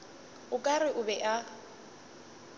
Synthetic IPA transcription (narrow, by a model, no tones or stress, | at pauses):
ʊkʼarɪʔʊbɛʔa